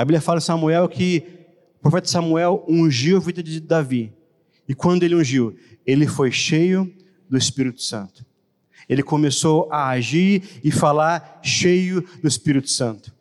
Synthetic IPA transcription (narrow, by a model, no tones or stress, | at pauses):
ɐbiblʲiɐfalɐsɐmuɛwkʰɪ | ʊpɾofɛt̪ɐsɐmuɛwũʒiwavid̪ɐd͡ʒɪd̪avi | ɪkwɐ̃nd̪ʊelɪũʒiw | elɪfojʃejʊ | d̪ʊɪspiɾit̪ʊ̥sɐ̰̃nt̪ʊ̥ | elɪkomesowaaʒiɾɪfalaɾʃejʊd̪ʊɪspiɾit̪ʊ̥sɐ̃nt̪ʊ̥